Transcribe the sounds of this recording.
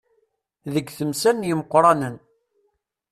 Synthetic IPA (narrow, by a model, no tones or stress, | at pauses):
ðəɡθəmsænjəməqːɾˤɑnən